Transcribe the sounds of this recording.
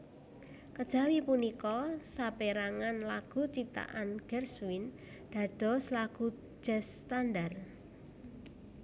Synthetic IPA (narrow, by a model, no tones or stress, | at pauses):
kəd̥ʒ̥ä̤wipunikɔsapeɾaŋanlaɡ̥ṳt͡ʃip̚t̪a̰ʔanɡ̥ɛrswin | d̪̥a̤ɖ̥ɔ̤səlaɡ̥ṳ̥ | d͡ʒ̥ɛst̪andar